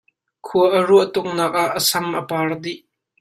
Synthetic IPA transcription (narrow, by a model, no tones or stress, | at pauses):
kʰuəʔəɾuəʔt̪ʊk̚naːk̚ʔaʔʔːəsɐmʔəpaːrd̪iʔ